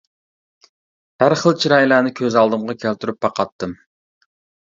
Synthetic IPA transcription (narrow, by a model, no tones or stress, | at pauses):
hæɾχəlˠt͡ʃʰiɾɑjlænɪkʲʰøzɑlˠd̪ɨmʁɑkʲʰælt̪ʰyɾyp̚bɑqɑt̪ʰːɨm